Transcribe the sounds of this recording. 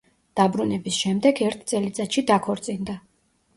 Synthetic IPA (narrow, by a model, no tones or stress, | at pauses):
d̪̥abɾunɛbisʃɛmd̪ɛɡɛɾt̪ʰt̪sʼɛlit̪sʼaʃid̪akʰɔɾt̪sʼind̪a